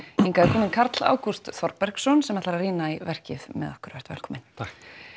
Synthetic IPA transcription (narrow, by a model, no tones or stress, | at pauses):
ɛnkaːðkʰɔːmɪnkʰaɾt̪la̰ːwkust̪θɔɾpɛr̥ksɔnsɛmɛt̪laɾariːnaivɛr̥cɪðmɛ̰ðahkʏɾvɛ̥t̪vɛ̰lkʰɔːmɪn